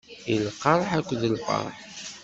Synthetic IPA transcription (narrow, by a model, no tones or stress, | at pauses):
ilqɑɾˤħækʷːðəlfɑ̰ɾˤħ